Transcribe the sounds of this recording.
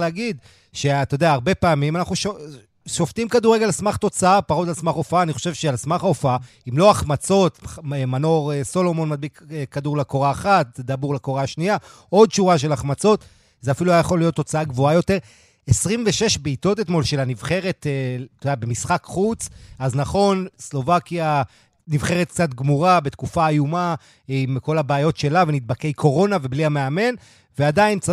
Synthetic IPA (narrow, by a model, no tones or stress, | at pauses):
leaɡid̪ | ʃe̞at̪od̪eaːʁbe̞paːmimanaχuʃo | ʃoft̪imkaduʁeɡelsmaχt̪o̞t͡saapaʁod̪alsmaχofaaːniχo̞̥ʃe̞vʃealsmaχaofaa | imlo̞aχmat͡so̞t̪emano̞ʁeso̞lo̞mo̞nmad̪̚bikekad̪uʁlako̞ʁaːχat̪̚d̪abuʁlakoʁaʃnia | o̞dʃuʁaʃ̬e̞laχmat͡so̞t̪ | zeafiluajajaχo̞lijo̞t̪ːo̞t͡saaɡvo̞ajo̞te̞ʁ | esʁimve̞ʃe̞ʃbeːto̞tet̪mo̞lʃe̞lanivχe̞ʁe̞t̪et̪odeabemisχakχut͡saznaχo̞nslo̞vakja | nivχe̞ʁet̪̚k̚t͡satɡmuʁabe̞t̪kufaːjuma | mko̞labaːjo̞tʃe̞lavenit̪̚bakejkʰo̞ʁo̞nave̞bliameame̞n | veadaint͡s